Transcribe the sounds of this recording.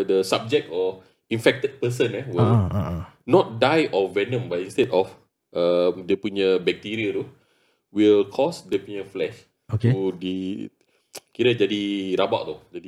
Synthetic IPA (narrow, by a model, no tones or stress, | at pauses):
dəsab̚d͡ʒɛk̚tɔ | ĩnfɛk̚t̪əd̚pəs̬ə̃nɛwil | nɔt̚dajʔɔvɛnə̃mbajĩnst̪ɛtɔf | ʔəmdepuɲəbɛk̚t̪iɾiət̪u | wilkʰɔsdepuɲəflɛʃ | otkeudi | kiɾəd͡ʒadiɾaba̰ʔt̪ud͡ʒadi